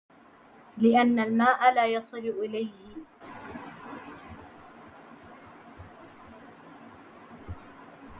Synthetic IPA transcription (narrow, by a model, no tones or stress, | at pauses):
lɪʔanːalmaːʔalaːjɑsˤɨlʔɪlajhɪ